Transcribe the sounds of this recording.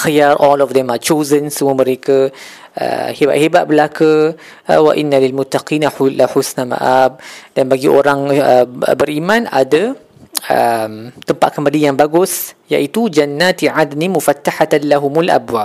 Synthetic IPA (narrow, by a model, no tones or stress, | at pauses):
xajaɾʔɔlɔfd̪ɛmat͡ʃozənsəmuəmə̃ɾeka | ə̰heba̰ʔ̪hebaʔ̪̚bəlakə | wa̰ʔinːalilmʊt̪ːaqiːnalaħusnama̰ʔab̚d̥anbaɡiʔoɾaŋə̰bəɾimãna̰da | əmt̪əmpaʔ̪̚kəmbalijaŋbaɡʊsja̰ʔit̪ud͡ʒanːat̪ʕad̪nimufat̪ːaħat̪nlaɦʊmalʔa̰bwa